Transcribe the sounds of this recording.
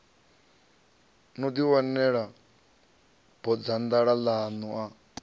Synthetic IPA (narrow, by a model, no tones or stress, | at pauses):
nud̪iwanːɛɺa | b̥ɔd͡zand̪aɺalaːnuʔa